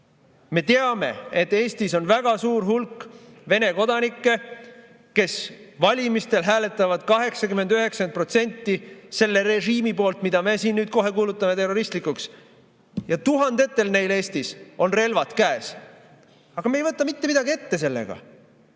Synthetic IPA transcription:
me̞t̪eɑme̞̰et̪ːe̞ːst̪iso̞nvæɡ̥ɑsuːɾɦulkːve̞ne̞ko̞d̪ɑnikːˑe̞ | ke̞svɑlʲimist̪e̞lɦæːle̞t̪ːˑɑvɑd̪̥kɑɦe̞ksɑkyme̞nd̪yɦe̞ksɑnt̪̚pro̞t̪se̞nʲt̪ːˑise̞lːe̞ɾeʒiːmipo̞ːlt̪mid̪̥ɑme̞siːnnyːd̪̚ko̞ɦe̞kuːlut̪ːˑɑme̞t̪e̞rːo̞ɾist̪likˑuks | jɑt̪uɦɑnd̪̥e̞t̪ːe̞lne̞jle̞ːst̪iso̞nre̞lvɑt̪kæːs | ɑɡ̥ɑmejvɤt̪ːˑɑmit̪ːeid̪ɑɡie̞t̪ːe̞s̬e̞lːḛɡ̥ɑ̰

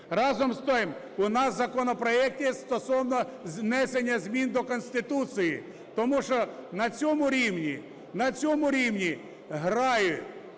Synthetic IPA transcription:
rɑzɔmst̪ɔjm | ʊnɑszɐkɔnɔpɾɔɛk̚t̪ʲɛst̪ɔsɔwnɔznɛsenʲːɐzʲmʲind̪ɔkɔnʲsʲt̪ɪt̪usɨji | t̪ɔmuʃt͡ʃɔnɐt͡sʲɔmʊɾʲiwnʲi | nɐt͡sʲɔmʊɾʲiwnʲi | ɦɾɑjʊtʲ

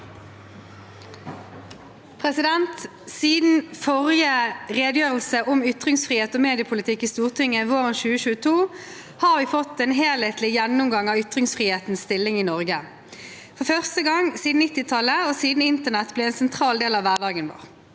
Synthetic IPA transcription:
pʰʁɛsɪd̪ɛnt̪ | siːd̪n̩fɔʁjəʁeːd̪jøːʁəlsəʔʊmʏt̪ʁɪŋsfʁiːeːt̪ɔːmeːd̪ɪəpʰʊlɪt̪ʰɪkːiːst̪uːʁt̪ʰʏŋːəʋoːʁənʃʉːəʃʉːət̪ʰuː | hɑːʋiːfɔt̪ːɛːnɦeːleːt̪lɪjɛnːʊmɡɑŋɑːʋʏt̪ʁɪŋsfʁiːheːt̪n̩sst̪ɪlːɪŋiːnɔʁɡə | fɔʁfœʁst̪əɡɑŋsiːd̪n̩nɪt̪ːɪt̪ʰɑlːəoːsiːd̪n̩ɪnt̪əʁnɛt̪blɛːɛːnsɛnt̪ʰʁɑːld̪eːlɑːʋʋæʁdɑːɡənʋo̰ːʁ

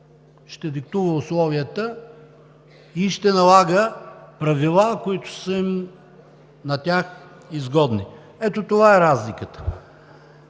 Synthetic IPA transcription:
ʃt̪ɛd̪ikt̪uvəʊslˠɔvijət̪ə | iʃt̪ɛnɐlˠaɡəpɾɐvilˠakoit̪ʊ̥səm | nɐt̪ʲax | izɡɔd̪ni | ɛt̪ot̪ovaɛɾazlikət̪ə̥

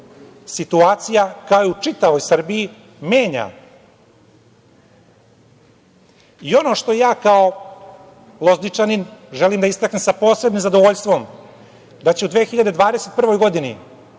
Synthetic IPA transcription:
sit̪uaːt̪sijakajout͡ʂit̪aʋo̞jsr̩bii | me̞ːɲa̰ | io̞no̞ʂt̪o̞jaːkao̞ | lˠo̞znit͡ʂaninʒe̞limd̪aist̪aknemsapo̞ːsɾe̞bnimzad̪o̞ʋoʎst̪ʋo̞m | d̪at͡ɕeud̪ʋeːxiʎad̪e̞d̪ʋaːd̪ese̞t̪pr̩ʋo̞jɡo̞d̪inḭ

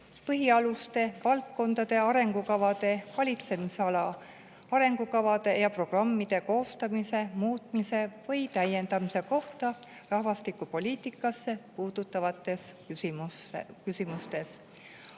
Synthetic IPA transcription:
pɤɦiɑlust̪e̞vɑlt̪̚ko̞nd̪̥ɑd̪̥e̞ɑɾe̞ŋɡukɑvɑd̪̥e̞vɑlʲit̪se̞miseɑlɑ | ɑɾe̞ŋɡ̥ukɑvɑd̪̥e̞jɑpro̞ɡ̥rɑmːid̪̥e̞ko̞ːst̪ɑmise̞muːt̪ˑmise̞vɤ̞jt̪æje̞nd̪̥ɑmise̞ko̞ht̪ɑ | rɑhvɑst̪ikˑupo̞liːt̪ˑikːˑɑsːe̞puːd̪̥ut̪ːˑɑvɑt̪ːˑe̞s | imuskysimust̪e̞s

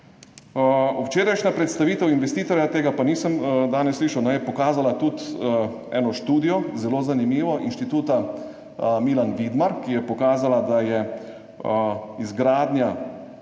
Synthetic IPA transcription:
uwt͡ʃeːɾajʃnapɾɛt̪st̪aʋiːt̪ɛwinʋɛst̪iːt̪ɔɾʲjat̪eːɡapaniːsəmd̪aːnɛsːliːʃɐwnɛjɛpɔkaːzalat̪ut̪ | ɛːnɔʃt̪uːd̪ijɔzɛloːzanimiːʋɔʔinʃt̪it̪uːt̪a | miːlanʋid̪maɾkijɛpɔkaːzalad̪ajɛ | izɡɾaːd̪nja

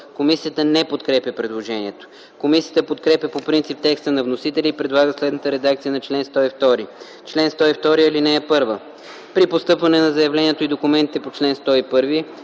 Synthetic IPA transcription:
komisiət̪ənɛpot̪kɾɛpjʲɐpɾɛd̪lˠoʒɛniɛt̪o̥ | komisiət̪əpot̪kɾɛpʲjɐpopɾint̪sip̚t̪ɛkst̪ənɐvnosit̪ɛlʲiːpɾɛd̪lˠaɡəslɛd̪nət̪əɾɛd̪ak̚t̪sijənɐt͡ʃlɛnst̪ɔift̪ɔɾi | t͡ʃlɛnst̪ɔift̪ɔɾiɐlinɛːpɤɾvə | pɾipost̪ɤpvɐnɛnɐzɐjɐvlɛniɛt̪oid̪okʊmɛnt̪it̪ɛpot͡ʃlɛnst̪ɔipɤɾvi

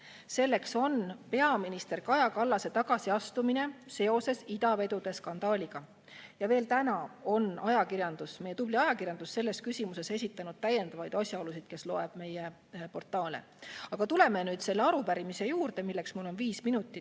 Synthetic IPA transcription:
se̞lːe̞kso̞npe̞ɑminist̪e̞rkɑjɑkɑlːɑse̞t̪ɑɡ̥ɑsiɑst̪umine̞se̞o̞se̞sid̪̥ɑve̞d̪ud̪̥e̞skɑnd̪̥ɑːlʲiɡ̥ɑ | jɑve̞ːlt̪ænɑo̞nɑjɑkiɾjɑnd̪usme̞je̞t̪ub̥liɑjɑkirjɑnd̪usːe̞lːe̞skysʲimuse̞se̞sʲit̪ːˑɑnud̪̥̚t̪æje̞nd̪ɑvɑjd̪ɑsʲjɑo̞lusid̪̥ke̞slo̞e̞b̥me̞je | po̞rt̪ːˑɑːlḛ | ɑɡ̥ɑt̪ule̞menyːd̪̥se̞lːeɑɾupæɾimise̞juːrd̪e̞milːeksmulːo̞nviːsminut̪ːˑi

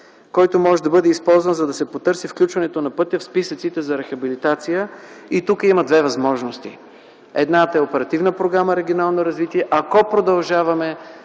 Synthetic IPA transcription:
kɔjt̪omɔʒɛd̪ɐbɤd̪ɛispɔlˠzvɐnzɐd̪ɐsɛpot̪ɤɾsifklʲut͡ʃvɐnɛt̪onɐpɤt̪ʲəfspisət̪sit̪ɛzɐɾɛxɐbilit̪at̪sijəit̪ukəimɐd̪vɛvɐzmɔʒnost̪ḭ | ɛd̪nat̪əɛopɛɾɐt̪ivnəpɾoɡɾaməɾɛɡʲionalˠnoɾɐzvit̪iɛʔɐkɔpɾod̪ɐlˠʒavɐmɛ

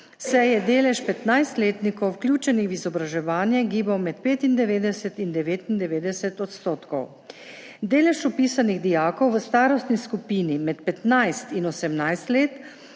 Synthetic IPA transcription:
ssɛjɛd̪eːlɛʃpɛt̪najst̪leːt̪nikɔwwkljuːt͡ʃɛnixizɔbɾaʒɛʋaːnjɛɡiːbɐwmɛt̪̚peːt̪ind̪ɛʋeːd̪ɛsɛt̪ind̪ɛʋeːt̪ind̪ɛʋeːd̪ɛsɛt̪ɔt̪st̪oːt̪kɔ̰w | d̪eːlɛʃɔpiːsaniɣd̪ijaːkɔwʋəst̪aːɾɔst̪niskupiːnimɛt̪pɛt̪najst̪inɔsɛmnajst̪leːt̪

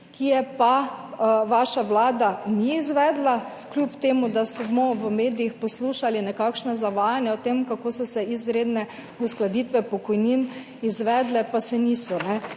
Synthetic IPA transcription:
kijɛpa | ʋaːʃaʋlaːd̪aniːzʋɛːd̪la | klʲjuːpt̪eːmud̪asmɔʋəmeːd̪ijixpɔsluːʃalinɛkakʃnazaʋaːjanjaot̪emkakoːsɔsɛizɾeːd̪nɛ | usklad̪iːt̪ʋɛpɔkɔjnin | izʋɛːd̪lɛpasɛnisɔnɛ

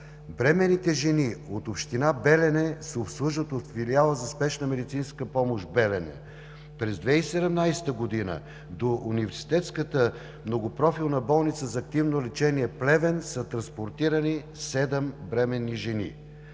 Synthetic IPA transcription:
bɾɛmɛnːit̪ɛʒɛniot̪opʃt̪inabɛlɛnɛsɛopslˠuʒət̪ot̪filialˠəzɐspɛʃnəmɛd̪it̪sinskəpɔmoʃbɛlɛnɛ̰ | pɾɛzd̪vɛisɛd̪ɛmnajsɛ̥t̪əɡod̪inə̰ | d̪oʔunivɛɾsi̥t̪ɛt̪skət̪ə | mnoɡopɾɔfilˠnəbɔlˠnit̪səzɐːk̚t̪ivnolɛt͡ʃɛniɛplɛvɛnsət̪ɾɐnspoɾt̪iɾəni | sɛd̪ɛmbɾɛmɛnːiʒɛnḭ

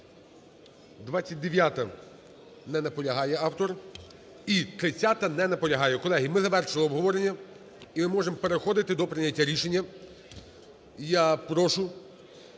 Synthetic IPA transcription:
d̪ʋat͡sʲːɐt̚ʲd̪eʋʲjat̪ɐ | nɛnɐpɔlʲɐɦɑjɛɑwt̪ɔr | it̪ɾɪt͡sʲːat̪ɐnɛnɐpɔlʲɐɦɑjɛkɔlˠɛɦimɪzɐʋɛrʃɪlˠɪɔbɦɔʋɔɾe̞nʲːɐ | imɪmɔʒempe̞ɾexɔd̪ɪt̪ɪd̪ɔpɾɪnʲɐtʲːaɾʲiʃe̞nʲːɐ | japɾɔʃʊ

